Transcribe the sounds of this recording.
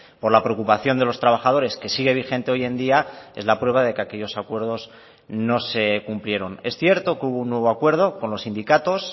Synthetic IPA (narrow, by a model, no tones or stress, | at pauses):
po̞ɾlapɾeokupaθjond̪e̞lo̞st̪ɾaβ̞axað̞o̞ɾe̞ske̞siɣe̞β̞ixẽ̞nt̪e̞o̞je̞nd̪iaezlapɾwe̞β̞aðe̞keake̞ʎo̞sakwe̞ɾð̞o̞sz | no̞se̞kumplje̞ɾo̞ne̞sθje̞ɾt̪o̞keuβo̞unːwe̞βo̞akwe̞ɾð̞o̞ko̞nlo̞sind̪ikat̪o̞s